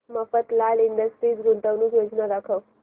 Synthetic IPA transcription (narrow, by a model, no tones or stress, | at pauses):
mafət̪laliɳɖəsʈɾiːt͡sɡʱunt̪əʋnuːkjod͡ʒnad̪akʰəw